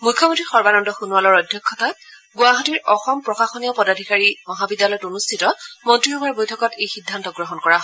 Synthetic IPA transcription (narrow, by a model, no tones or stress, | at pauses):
mujkʰːɔmɔ̃ntɹixɔɹbanɔndɔxunuwalɔɹɔdʱjɔkʰːɔtat | ɡʊaɦɔtiɹɔxɔmpɹɔxaxɔniɔpɔdadʱikaɹimɔɦabidːjalɔjɔtunustʰitɔmɔntɹiɦɔŋaɹbojtʰɔkɔtejxidʱːantɔɡɹɔɦɔnkɔɹaɦɔ